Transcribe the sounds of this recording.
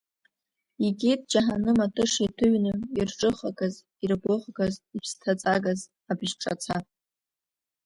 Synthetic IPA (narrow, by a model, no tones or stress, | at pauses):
iɡʲʼet̚ʰʼd͡ʒaħanɨmatʰʼɨʂitʰɨɥnɨirʈ͡ʂʼɨχakʼaz | irbʊʁɡazipʰstʰat͡sʼaɡaz | abʒʈ͡ʂʼa̰t͡sʰa